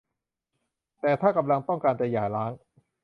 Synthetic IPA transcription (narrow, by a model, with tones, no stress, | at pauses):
t̪ɛː˨˩t̪ʰaː˥˩ka˧mla˧ŋt̪ɔ˥˩ŋkaː˧nt͡ɕa˨jaː˨˩jlaː˦˥ŋ